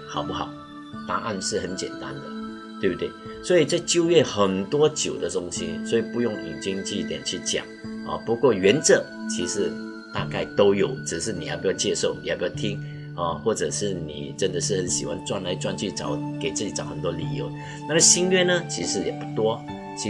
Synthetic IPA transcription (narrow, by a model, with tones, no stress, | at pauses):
xɑ˨˩ʊpu˥˩xɑ̰˨˩˦ʊ | t̪a˥˧ʔa˥˧nʂɻ̩˥˩xə˧˦nt͡ɕjɛ̰˨˩nt̪a̰˦˥nd̪ə̰˨ | t̪we˥˩bu˧t̪we˥˩ɪswɔ˧˥i˨˩t͡sa˥˧ɪt͡ɕjo˥˧ʊɥɛ˥˩xə˨˩nt̪wɔ˥t͡ɕjo˨˩ʊd̪ə˦t̪ʊ˥ŋɕḭ˦swɔ˧˥i˨˩pu˧˥jʊ˥˩ŋi˨˩t͡ɕi˥ŋt͡ɕʰy˥˧˥t̪jɛ̰˨˩nt͡ɕʰy˥˩t͡ɕja̰˨˩˦ŋɔ̰˨˩pu˧˥kwɔ˥˩ɥɛ˧˥nt͡sɤ˨˩˦t͡ɕʰi˧˥ʂɻ̩˧˥ | t̪a˥˧ka˥˩ɪt̪o˥ʊjo˨˩˦ʊʈ͡ʂɻ̩˨˩ʂ̬ɻ̩˥˩ni˨˩ja̰˧˥˩pu˧˩ja˥˧ʊt͡ɕjɛ˥˧ʂo˥˩ʊni˨˥˩pjt̪ʰi˥ŋ | ɔ˥˧˩xwɔ˥˩ʈ͡ʂɤ˨˩ʂɻ̩˥˩nḭ˨˩ʈ͡ʂə˦˥nd̪ə˨˧ʂ̬ɻ̩˥˩hə˧˦nɕḭ˨˩wa̰˧˥nt͡swa˥˧˩nla˧˥ɪt͡swa˥˧nt͡ɕʰy˥˩ʈ͡ʂɑ˨˦ʊke˨˩ɪt͡sɹ̩˥˩t͡ɕi˨˥˩ʈ͡ʂɑ˨˦ʊxə˨˩nt̪wɔ˥li˨˩jo˧˦ʊ | na˥˩ə˥˩ɕi˥nɥɛ˥˩nə˩t͡ɕʰi˧˥ʂɻ̩˧˥jɛ˨˩pu˥˩t̪wɔ˥ | t͡ɕʰi˧˥